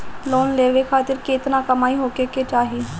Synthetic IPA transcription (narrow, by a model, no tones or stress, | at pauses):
loːnleːʋekʰaːt̪ɪɾkeɪt̪nakəmaːiɦoːkeket͡ʃaːɦi